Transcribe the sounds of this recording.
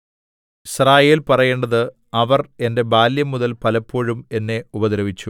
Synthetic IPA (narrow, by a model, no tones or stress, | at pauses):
israːjeːlpɐrɐjeːɳɖɐðɨ | ɐʋɐre̞nde̞baːljɐmːuðɐlpɐlɐpːo̞ːɻume̞nːe̞ubɐðɾɐʋit͡ɕːu